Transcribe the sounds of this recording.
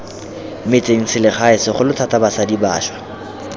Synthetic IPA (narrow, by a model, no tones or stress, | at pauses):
mɪt͡sʼeŋ̩sɪlɪχaɪsɪχʊlʊtʰatabasadiba̰ːʃwḁ